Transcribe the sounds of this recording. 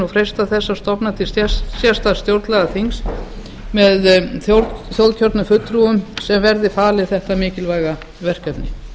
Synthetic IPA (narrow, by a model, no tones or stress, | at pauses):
ɔfɾejst̪aθɛsːast̪ɔpnat̪ʰɪssjɛst̪ast̪jowɾt̪lɛɣaθiŋs | mɛðθjowɾθjowlcʰɔɾt̪nʏfʏt̪ːɾuʏmsɛmvɛɾðɪfaːlɪθɛht̪amɪːcɪlvaːjɣa | vɛr̥kɛp̪nɪ